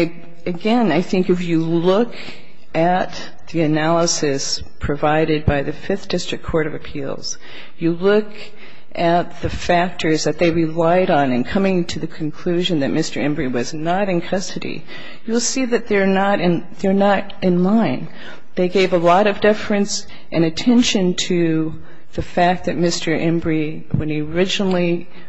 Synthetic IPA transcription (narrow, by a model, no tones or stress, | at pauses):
ɨɡɛ̃naɪθɪ̃ŋkɨfjɨlʊk | ʔɨt̪̚ | ðiɨnælˠəsɨs | pʰɹ̥ɨvaɪɾɨd̚baɪðɨfɪθd̥ɪstɹ̥ɨkʰːɔɹɾʌvɨpʰḭlˠz̥ | jɨlʊk | ʔɨt̪̚ðɨfæk̚tʰə˞zðɨt̪̚ðeɪɹɨlaɪɾn̩ɨ̃nkʰʌmɪ̃ŋtʰɨðɨkʰn̩kʰl̥ʉʒɨ̃nðɨt̚mɪstə˞ɛ̃mbɹiwʌznəɾɨ̃nkʰʌstɨɾḭ | jɨlˠsiðɨt̪̚ðə˞nəɾɨ̃n | ðə˞nəɾ | ɨ̃nlãɪ̃n | ðeɪɡeɪvəlɔɾʌvdɪfɹɨ̃ns | ʔɨ̃ñɨtʰɛ̃nʃɨ̃ntʰɨ | ðɨfæk̪̚ðɨt̚mɪstʰə˞ʔɛ̃mbɹi | wɨ̃niə˞ɪd͡ʒnl̩ˠi